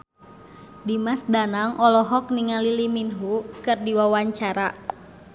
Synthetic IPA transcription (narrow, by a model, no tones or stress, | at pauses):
dimasdanaŋʔɔlɔɦɔk̚niŋaliliminɦukɨrdiwawaɲt͡ʃaɾa